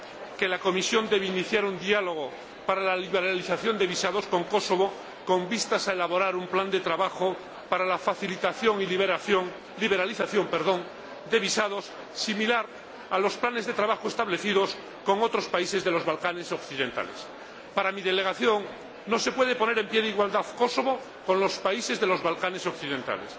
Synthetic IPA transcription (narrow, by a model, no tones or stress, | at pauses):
ke̞lako̞misjo̞nd̪e̞βeiniθjaɾund̪ialo̞ɣ̞o | paɾalaliβeɾaliθaθjo̞nd̪e̞βisað̞osko̞ŋko̞so̞βo | ko̞mbist̪asaelaβo̞ɾaɾumpland̪e̞t̪ɾaβaxo | paɾalafaθilit̪aθjo̞ŋilβaθjoŋ | liβe̞ɾaliθaθjo̞mpeɾðo̞ŋ | d̪e̞βisaðos | similaɾ | alo̞splane̞zðe̞t̪ɾaβaxoest̪aβle̞θiðo̞s | ko̞ŋo̞t̪ɾospaise̞zðe̞lo̞zβalkane̞sokθiðẽ̞nt̪a̰lḛs | paɾamiðele̞ɣ̞aθjo̞ŋː | o̞se̞pwe̞ð̞e̞pone̞ɾe̞mpjeðeiɣwald̪aðko̞so̞βo | ko̞nlo̞spaise̞zðe̞lo̞zβalkane̞sokθiðẽ̞nt̪a̰les